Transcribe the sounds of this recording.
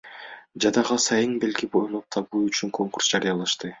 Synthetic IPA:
d͡ʒɑd̪ɑʁɑsɑjɯŋbe̞lɡibonup̚t̪ʰɑβuːyt͡ʃyŋkʰo̞ŋkur̥sd͡ʒɑɾijɑlˠɑʃt̪ɯ

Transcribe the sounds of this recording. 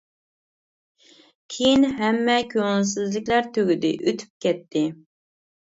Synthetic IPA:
kʲʰejinɦɛmːɛkʲʰøŋɪlsɪzlɪkʲlæɾt̪ʰøɡʲyd̪ɪ̰ʔøt̪ʰy̥p̚kʲɛt̪ʰːɪ

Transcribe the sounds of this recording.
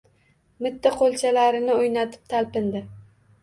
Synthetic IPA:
mʊt̪ʰːaqʰolˠt͡ʃʰalaɾɪnɪojnat̪ʰɪ̥p̚t̪ʰalpɪnd̪ɪ

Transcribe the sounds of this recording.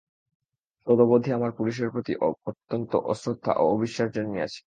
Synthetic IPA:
ʃod̪obod̪ʱiamaɾpuliʃ̬eɾpɾot̪iʔot̪ːont̪o̰ʔɔsɾot̪ʰːa̰ʔoobiʃːaʃd͡ʑonːia̰t͡ɕʰi̥

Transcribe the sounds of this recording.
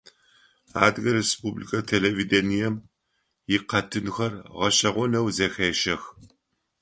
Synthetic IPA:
a̰ːdɣɐɾespublḭkʰɐtʰelevidenijɛm | jɪqɐtʰɨnxɐrʁɐɕɐʁʷɔnɐwzɐxeːʃɐx

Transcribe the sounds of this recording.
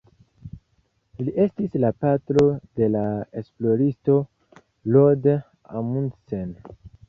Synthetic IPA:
liʔe̞stislapatɾo̞de̞lae̞splo̞ɾisto̞ | lod | a̰munsen

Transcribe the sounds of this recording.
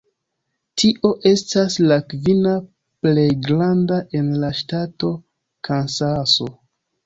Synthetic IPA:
tʰiʔo̞ʔe̞staslakvina | ple̞jɡɾandaʔe̞nlaʃtato̞ | kʰansaso̞

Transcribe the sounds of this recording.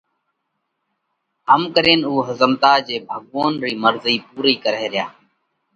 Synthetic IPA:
ɦəmkəɾeːnuːɦəzəmt̪aːd͡ʒeːbʱəɠʋoːnɾiːməɾziːpuːɾiːkəɾeːɾɪjaː

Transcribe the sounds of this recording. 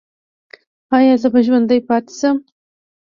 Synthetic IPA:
ɑjɑzəbaʒwand̪ajpɑt̪ɪ̥səm

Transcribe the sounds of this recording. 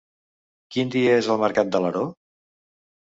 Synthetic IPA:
kind̪iəezəlˠməɾkat̪̚d̪ələɾo

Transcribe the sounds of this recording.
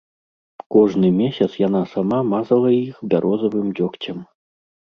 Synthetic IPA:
kɔʐnɨmʲesʲɐt̪sjanasamamazɐlˠɐixbʲaɾʔɔzɐvɨmd͡zʲɔkt͡sʲɐm

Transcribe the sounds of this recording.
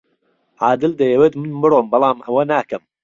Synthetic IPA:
ʕaːd̪ɨld̪ɐjɛwet̪mɨnmɨɾoːmbɑlˠɑːmʔɐwɐnaːkɐm

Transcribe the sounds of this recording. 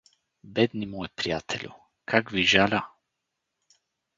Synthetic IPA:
bɛd̪nimɔjpɾijat̪ʰɛlʲṵ | kʰakviʒalʲa

